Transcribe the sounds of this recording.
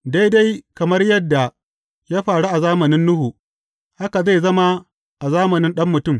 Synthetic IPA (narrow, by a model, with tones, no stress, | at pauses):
da˦jda˦jkɐ˨mɐ˦rjɐ˦dːa˨ | jaː˦ɸaː˨ɽu˦ʔa˨zaː˦mɐ˨nɪ˦nːʊ˦hu˨ | ha˦ka˨za˦˨zɐ˦ma˦ | ʔa˨zaː˦mɐ˨nɪ˦nɗɐ˦mːʊ˨tʊ˦m